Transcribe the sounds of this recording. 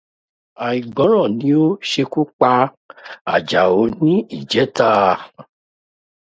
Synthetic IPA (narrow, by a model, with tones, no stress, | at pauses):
a˨i˨ɡ͡bɔ̃˨˦ɾ̃ɔ̃˦˨nĩ˨˦o˦ʃe˧ku˦k͡pa˧ | a˨d͡ʒa˨o˨˧˦nĩ˦i˦˨d͡ʒɛ˨˦ta˦˨